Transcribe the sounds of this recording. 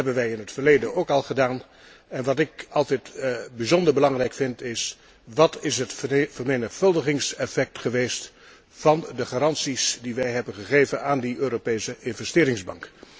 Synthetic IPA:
ɦɛbənʋɛjɪnɦətfəɹlejdənowkɑlˠχədaːn | ɛnʋɑtɪkɑlˠtɛtbizɔndəɹbəlɑŋrɛjkfɪntɪs | ʋɑtɪsɦətfəɹmenəχfɵlˠdəχɪŋsɛfɛk̚tχəʋejst | fɑndəχaːɾɑnsisdiʋɛjɦɛbənχəχejvənaːndiʔøːropejsəʔɪnvɛstɪːɾɪŋzbɑŋk

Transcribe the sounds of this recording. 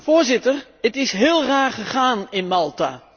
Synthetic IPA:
voːɹzɪtər | ətɪsɦɪːlˠraːχəχaːnɪnmɑlˠta̰

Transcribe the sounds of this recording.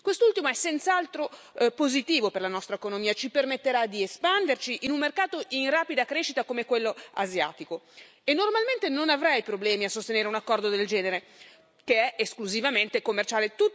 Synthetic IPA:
kwest̪ult̪imoɛsːɛnt̪saalt̪ɾo | pozit̪iːvoperlanɔst̪ɾaekonomiːat͡ʃipermet̪ːeɾad̪iespand̪ert͡ʃiʔinunmerkaːt̪oʔinraːpid̪akɾeːʃit̪akomekwelːoazja̰ːt̪iko | enːormalment̪enonavɾajpɾoblɛːmiasːost̪eneːɾeunakːɔrd̪od̪eld͡ʒɛːneɾe | keɛeskluzivament̪ekomːert͡ʃaːlet̪u

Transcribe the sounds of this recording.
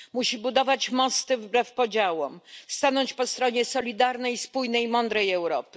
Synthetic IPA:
muɕibud̪ɔvat͡ɕmɔst̪ɘvbɾɛfpɔd͡ʑawɔmst̪anɔɲt͡ɕpɔst̪ɾɔɲɛsɔlʲid̪aɾnɛjispujnɛjmɔnd̪ɾɛjɛwɾɔ̰pɘ̥

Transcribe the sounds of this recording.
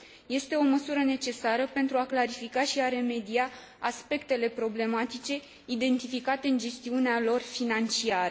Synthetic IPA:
je̞st̪e̞o̞məsuɾəne̞t͡ʃe̞saɾəpe̞nt̪ɾuaklaɾifikaʃiaɾe̞me̞d̪ia | aspe̞kt̪e̞le̞pɾo̞ble̞mat̪it͡ʃe̞ | id̪e̞nt̪ifikat̪e̞ɨnd͡ʒe̞st̪iunealo̞rfinant͡ʃiaɾə

